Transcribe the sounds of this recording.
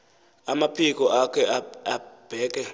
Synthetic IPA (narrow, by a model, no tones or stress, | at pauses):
amapʰik̬ʼɔʔakʰɛab̥ʱɛːk̬ʼɛ